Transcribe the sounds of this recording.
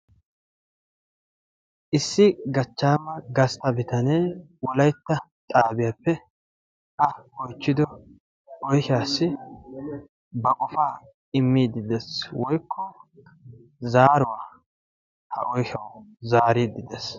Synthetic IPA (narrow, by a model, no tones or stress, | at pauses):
ʔɪsːɪɡɐt͡ʃːaːmɐɡɐst̪ɐbɪt̪ɐneː | wɔlɐjt̪ːɐt̪ʼaːbɪjapːɛ | ʔɐɔjt͡ʃːɪd̪ɔ | ʔɔjhaːsːɪ | bɐkʼɔfaː | ɪmːiːd̪ɪd̪ɛswɔjkʰːɔ | zaːɾʊwaː | hɐ̰ʔɔjhɐwzaːɾiːd̪ɪd̪ɛs